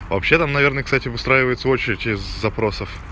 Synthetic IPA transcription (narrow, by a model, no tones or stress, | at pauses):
vɐ̰pɕːe̞t̪amnɐe̞rnəkst̪atʲɪvɨst̪ɾajɪvəjɪt̪səo̞t͡ɕɪɾʲɪtʲɪzːɐpɾo̞səf